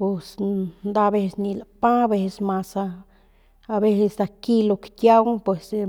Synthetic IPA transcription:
bu˧snd̪a˧be˧sni˧la˨pã˦be˧ssma˧sa˧ | a˧be˦se˧sd̪a˨ki˦lo˧kkʲja˦wpwe˨s

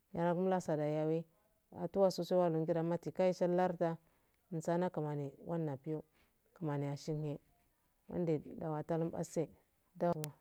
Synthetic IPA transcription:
ja˨ɾa˨ku˦m˦la˦sa˨da˨ja˨wi˦ | a̰˨tu˦wa˦su˦se˦wa˦lu˨ŋɡi˦da˨˦ma˦ti˨ka˦i˦ʃa˦la˦ɾta˦˨ | n˨sa˦na˦ka˨ma˨ni˨wa˦nːa˨pi˦jo˦ | ka˨ma˨ni˨a˨ʃi˦nhe˦ | wa̰˦nde˨da˨wa˨ta˦lu˦mba̰˦se˦ | da˦wa˨

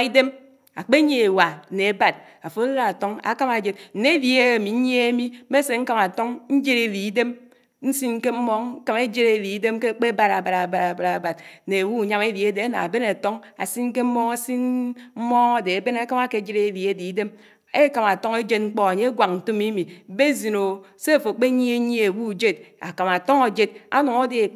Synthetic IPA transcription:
i˦de˦m | a˨k͡pe˦ɲe˨e˨wa˨ne˨e˨ba˨d̚ | a˨fo˦la˦a˨to˦ŋa̰˨ka˦ma˨d͡ʒe˨tn̩˨ne˦e˦li˨e˦˨mi˨˦ɲ˦e˦e˦mi˦me˦se˨ŋ̩˦ka˦˨ma˨to˦ŋn̩˦d͡ʒe˦ɾe˨li˨i˦de˦m | n̩˦si˦n̩˦ke˦m̩˦mɔ˦ŋ̩˦ka˦me˦d͡ʒe˦ɾe˨li˨i˦de˦mke˦k͡pe˦ba˦˨ɾa˨ba˨ɾa˨ba˨ɾa˨ba˨ɾa˨ba˨d̚ne˨e˨wu˦˨ɲa˦me˦li˨e˦de˨a˦na̰˨a˨be˦ne˨to˦ŋa̰˨si˦n̩˦ke˦m̩˦mɔ˦ŋa˦si˦nm̩˦mɔ˦ŋa˦˨de˨e˨be˦na˦ka˦ma˦ke˨˦d͡ʒe˦ɾe˨li˨e˦di˨i˦de˦m | e˦ka˨ma˨to˦ŋe˦d͡ʒe˦t̚ŋ͡m̩˦k͡pɔ˦a˨ɲe˦ɡʷa˨k̚n̩˨to˦mi˦mi˨˦be˦zi˨no˨ | se˦˨fo˨k͡pe˦ɲi˦e˦ɲe˦e˨wu˦˨d͡ʒe˦d̚a̰˨ka˨ma˨to˦ŋa˨d͡ʒe˦d̚a̰˦nu˨ŋo˦de˨e˨

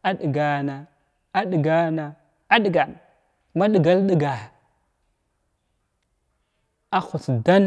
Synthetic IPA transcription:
a˦ɗi˨ɡa˨na˨ | a˦ɗi˨ɡa˦na˨ | a˦ɗi˨ɡa˨n | ma˦ɗi˨ɡa˦lɗi˦ɡa˨ | a˦xu˨t͡sda˦n

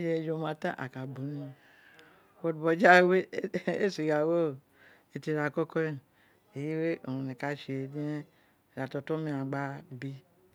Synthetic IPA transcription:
d͡ʒe˨d͡ʒo˨mã˨tã˦ʔa̰˨ka˨bo˨nĩ˨ | wo˨dbɔ˨d͡ʒa˦we˦e˦si˨ɡa˨wo˦˨ | e˨ti˨ɾa˨kɔ˦kɔ˦e˦ | e˨ji˦we˦ʔo˨nũ˨nẽ˨ka˨ʃe˨di˦e˦˨ | ɾa˨tɔ˨tɔ˦mĩ˨˦a˨ɡ͡ba˦bi˦

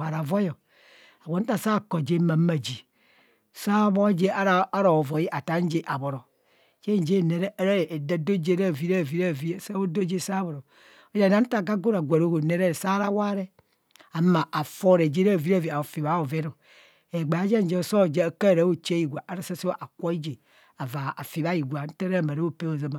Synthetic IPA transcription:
a˨ɾa˨vo˦jɔ˨ | a˨wʷo˨n̩˦ta˨sa˦˨ko˨d͡ʒe˦ma˨˦ma˨d͡ʒi˨ | sa˦bo˦d͡ʒe˦a˦ɾa˦a˦ɾo˨vo˨ji˦ʔa˨ta˨˦n˦d͡ʒe˦ʔa˨bo˨ɾo˨ | d͡ʒe˦n˨d͡ʒe˦˨ne˨ɾe˦a˦ɾe˦˨da˦do˦d͡ʒe˦ɾa˦˨vi˦ɾa˦˨vi˦ɾa˦˨vi˦˨sa˦wo˦do˦d͡ʒe˦˨sa˦bo˨ɾo˨ | o˨˦d͡ʒa˨na˦n̩˦ta˦˨ɡa˦ɡo˦ɾa˨ɡʷa˨ɾo˦˨ɡo˨ne˦ɾe˦ɾe˨sa˦ɾa˦wa˦ɾe˦ | a˨˦ma˨a˨fo˦ɾe˨d͡ʒe˦ɾa˦˨vi˦ɾa˦˨vi˨a˨fi˨βa˦o˨ve˦no˨ | e˨ɡ͡ba˨˦d͡ʒe˦n˦d͡ʒe˦˨so˦˨d͡ʒe˦˨ka˦˨ɾa˨˦wo˦t͡ʃe˦ji˨ɡʷa˨ʔa˦ɾa˦˨sa˦se˦ʔa˨kʷo˦i˦d͡ʒe˨ | a˨va˨a˨fi˨βa˦ji˨ɡʷa˨˦n̩˦ta˦ɾa˦˨ma˨ɾa˦o˦˨pe˦wo˨za˦ma˨

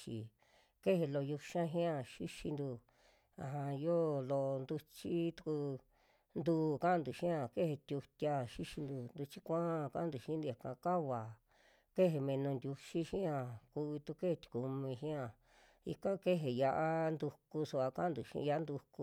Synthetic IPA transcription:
t͡ʃi˨ | ke˦ɦe˧lo˧ju˧ʃã˦ɦĩ˦ã˧ʃi˦ʃi˧nd̪u˧ | a̰˨ɦã˧jo˦lo˧nd̪u˧t͡ʃi˦t̪u̥˧ku˧ | nd̪uː˧kã˦˧nd̪u˨ʃĩ˦ã˧˨ke˦he˧t̪ʲu˧t̪ʲa˧ʃi˦ʃi˧nd̪u˧nd̪u˧t͡ʃi˦kʷã˦˧kã˦˧nd̪u˧ʃĩ˦nd̪u˧ja˨kã˧ka˦βa˨ | ke˦ɦe˧mẽ˧nũ˧nd̪ʲu˧ʃi˦ʃĩ˦ã˧˨ku˧i˧t̪u˧ke˦he˧t̪ʲi̥˨ku˧mĩ˧ʃĩ˦ã˧˨ | ḭ˧kã˦ke˦ɦe˨ja˧ʔa˦nd̪u˧ku˧su˧a˧kã˦nd̪u˧˨ʃḭ̃˧a˧˦nd̪u˧ku˧

